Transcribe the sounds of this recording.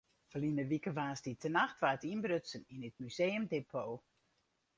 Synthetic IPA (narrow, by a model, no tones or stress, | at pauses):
fəlinəʋikəʋaːsditʰənaxtʋaːətinbrøtsəninit̚myzejəmdepʰoː